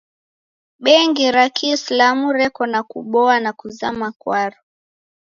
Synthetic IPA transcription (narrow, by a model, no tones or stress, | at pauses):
ɓɛŋɡiɾakʰislamuɾɛkɔnakuɓɔanakuza̰makwaɾɔ